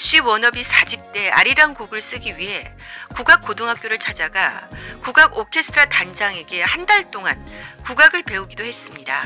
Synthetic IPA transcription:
ɕ͈ɥiwʌnʌbisʰad͡ʑip̚t͈e̞a̰ɾiɾaŋɡoɡɯɭs͈ɯɡiɥiɦe̞ | kuɡak̚k͈odɯŋɦak͈joɾɯɭt͡ɕʰad͡ʑaɡakuɡaɡokʰe̞sʰtʰɾatand͡ʑaŋe̞ɡe̞handaɭt͈oŋa̰nkuɡaɡɯɭpe̞uɡidohe̞s͈ɯmɲida̰

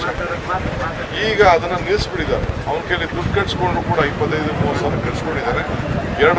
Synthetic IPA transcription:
iːɡɐːd̪ɐnːɐniɾsbiɽid̪aːɾeɐʋɐnkeːlid̪uʈ̚kɐʈskoɳɖuːkuːɽɐipːɐt̪ːɐjd̪umuːɾsɐnɐkiɾskoɳɖid̪aːɾeɛɾɐɽ

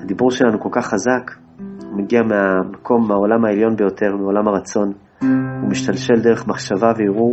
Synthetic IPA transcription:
had̪ibuʁʃe̞lanuko̞lkaχːazak | umeɡiameamakʰo̞mːao̞lamaeljo̞nbe̞jo̞t̪ʰe̞ʁmeo̞lamaʁat͡so̞n | umiʃtalʃe̞ld̪e̞ʁe̞χmaχʃavaveiʁu

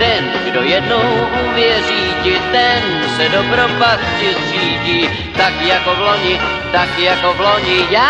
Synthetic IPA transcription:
t̪ɛn | ɡdojɛdnoɦwʔuːvjɛriːcɪt̪ɛn | sɛdopɾopascɪtsiːciː | t̪akjakovloɲɪ | t̪akjakovloɲɪjaː

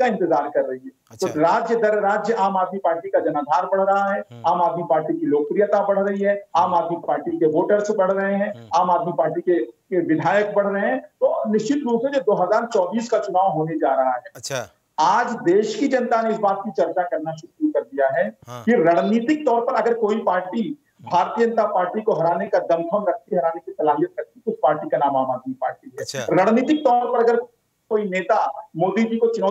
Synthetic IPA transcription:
aɪ̃nt̪ɪzaːɾkɐɾːɐɦiɦɛ | t̪oɾaːd͡ʒjəd̪ɐɾɾaːd͡ʒjəʔaːmaːd̪mipaːɾʈikad͡ʒɐnaːd̪ʱaːɾbɐɽ̤ɾɐɦaɦɛːaːmaːd̪mipaːɾʈikiloːɡ̚pɾijət̪abɐɽ̤ɾɐɦiɦɛ̃aːmaːd̪mipaːɾʈikeʋoːʈəɾsebɐɽ̤ɾɐɦeɦɛ̃aːmaːd̪mipaːɾʈikekeʋɪd̪ʱaːjək̚bɐɽ̤ɾɐɦeɦɛ̃t̪oːnɪʃt͡ʃɪt̪ɾuːpsed͡ʒod̪oːɦɐzaːɾt͡ʃɔːbiːskat͡ʃʊnaːʋɦoːned͡ʒaːɾɐɦaɦɛː | aːd͡ʒd̪eːʃkid͡ʒɐ̃nt̪aneɪsbaːt̪̚kit͡ʃɐɾt͡ʃakɐɾnaʃʊɾuukɐɾd̪ijaɦɛːkiɾaːɽniːt̪ɪk̚t̪ɔːɾpɐɾɐɡəɾkoːipaːɾʈi | bʱaːɾt̪ijəd͡ʒə̃nt̪apaːɾʈikoɦɐɾaːnekad̪ɐmkʰəmɾɐk̚ʰt̪iɦɐɾaːnekit̪ɐlaːɦijət̪kɐk̚t̪iʊspaːɾʈikanãːmaːmaːd̪mipaːɾʈiɦɛːɾaːɽniːt̪ɪk̚t̪ɔːɾpɐɾɐɡəɾ | koːineːt̪amoːd̪id͡ʒikot͡ʃʊnɔː

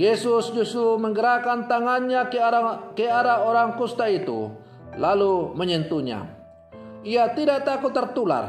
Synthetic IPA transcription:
jesʊsd͡ʒust̪ɾuməŋɡəɾakant̪aŋanɲakəadaoɾaŋkust̪ait̪ṵ | laluməɲənt̪uɲa̰ | iat̪idaʔt̪akʊt̪ːərt̪ula̰r

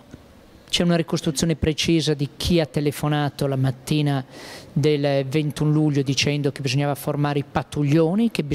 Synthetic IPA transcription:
t͡ʃɛunaɾikost̪ɾut̪sjoːnepɾet͡ʃiːzad̪ik̟ʰiat̪ːelefonaːt̪olamat̪ːiːnad̪elvent̪unluʎːod̪it͡ʃɛnd̪ok̟ebizoɲːaːvaformaːɾeipat̪ːuʎːoːnik̟ebi

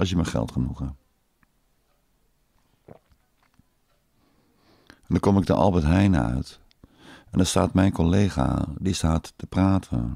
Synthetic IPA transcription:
ɔsjəməxɛ̰lˠtχənuɣə | ndəkomɪk̚dəʔɑ̰lˠbətɦɛjnə̰œ̰ɥt | ɛndəstaːtmɛjnkoleːɣa̰distaːtːəpraːtʰə̰

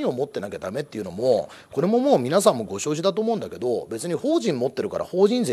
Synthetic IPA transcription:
ɲʲio̞mo̞t̪ːe̞naked̪ame̞t̪ːeiɯ̟no̞̰mo̞ | ko̞ɾe̞mo̞mo̞ːmʲinas̬ãmːo̞ɡo̞ɕo̞ːʑid̪at̪o̞ːmo̞ɯ̃nd̪ake̞d̪o̞be̞t͡sɨɲ̟iho̞ːʑĩmmːo̞t̪ːe̞ɾɯ̟ka̰ɾʔa̰ho̞ːʑĩnze

